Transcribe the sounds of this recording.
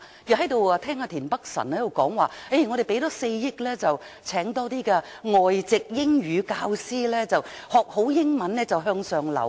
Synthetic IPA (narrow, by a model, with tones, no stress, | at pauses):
ji˨˩ɦɐ˨˥jt̪o˨waː˧t̪ʰɛː˥ŋaː˨˧t̪ʰiː˨˩npɐ˥k̚sɐ̰˨˩nhɐ˨˥jo˨˧wkɔː˨˥ŋwaː˨˩e˥˩ŋɔː˨˧ɾe˨˩pe˨˥jt̪ɔː˨˥se˧jjɪ˥k̚lɛː˥t͡sɐ˨wt͡sʰɛː˨˥ŋt̪ɔː˥t̪iː˥kɛː˧ | ŋɔː˨jt͡sɪ˨k̚jɪ˥ŋɥyː˨˧kaː˧wsiː˥lɛː˥t͡sɐ˨whɔː˨k̚ho˨˥wjɪ˥ŋmɐ˨˥nlɛː˥t͡sɐ˨wɦœː˧ŋsœː˨ŋlɐ̰˨˩